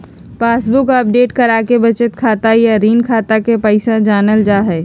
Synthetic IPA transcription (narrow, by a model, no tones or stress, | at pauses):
paːsbʊkəp̚ɖeːʈkəɾaːkebɐt͡ʃət̪kʰaːt̪ajaɾiːnkʰaːt̪akepɛɪsãd͡ʒaːnəld͡ʒaːɦɛː